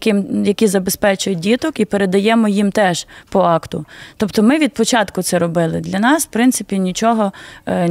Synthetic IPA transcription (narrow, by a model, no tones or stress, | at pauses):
kɪmjɐkʲizɐbespɛt͡ʃʊjʊdʲit̪ɔkipeɾed̪ɐjɛmɔjimt̪ɛʒpɔɑkt̪ʊ̰t̪ɔpt̪ɔmɪʋʲid̪̚pɔt͡ʃɑt̪kʊt̪sɛɾɔbɪlˠɪd̪lʲɐnɑsfpɾɪnt̪sɪpʲinʲit͡ʃɔɦɔ